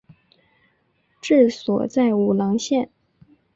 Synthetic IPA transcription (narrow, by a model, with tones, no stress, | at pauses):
ʈ͡ʂɻ̩˥˩swɔ̰˨˩t͡sa˥˩ɪu˨˩lɑ˧˥ŋɕjɛ˥˩n